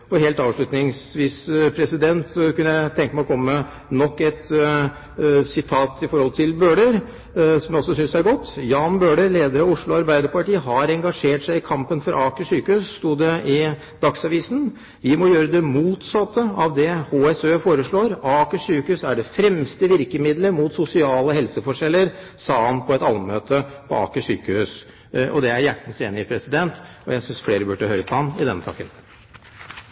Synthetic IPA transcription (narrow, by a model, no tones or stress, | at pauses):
ɔheːlt̪ɑːʋʂɭʉt̪nɪŋsʋiːspʰɾɛsɪd̪ɛnt̪kʉnəjæɪt̪ʰɛŋkəmæɪɔkʰɔmːəə | nɔkːɛt̪ | sɪt̪ʰɑːt̪ɪfɔɾhɔlt̪ʰɪlbøːɖəɾ | sɔmjɔlsɔsʏnsæɾɡɔt̪ːjɑːnbøːɖəɾleːd̪əɾɑʋʊʂɭʊɑɾbæɪd̪əɾpɑʈiːəɦɑɾɛŋɡɑʂeːʈʂæɪɪkʰɑmpənfɔɾʔɑːkəʂyːkəʉːsst̪uːd̪ɛɪ | d̪̥ɑksɑʋiːsən | ʋɪmɔjøːɾəd̪ɛmuːt̪sɑt̪ːəɑʋd̪ɛhoːɛsøːfoːɾəʂɭoːɾɑːkəʂyːkəhʉːsæɖɛfɾɛmst̪əʋɪɾkəmɪd̪ləmut̪sʊsɪɑːləhɛlsəfɔʂɛlːəɾsɑːɑnpʰɔɛt̪ɑlmmøːt̪ʰəpʰɔ̰ɑ̰ːkəʂy̰ːkəhʉːs | ʔɔ̰d̪ɛæɾjæʈːən̩seːnɪɪpʰɾɛsɪd̪ɛnt̪ | ɔjæɪsʏnsfleːɾəbʉʈːəhøːɾəpʰɔhɑnɪd̪ɛ̰nsɑ̰ːkən